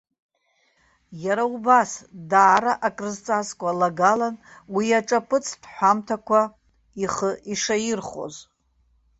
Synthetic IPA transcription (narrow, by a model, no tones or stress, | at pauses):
jaɾaubasdaːɾaʔakʼrɨzt͡sʼaskʷʼalaɡalanwiaʈ͡ʂʼapʰɨt͡sʰd̥ħʷamtʰakʷʰa | iχəiʂajɪrχo̞̰z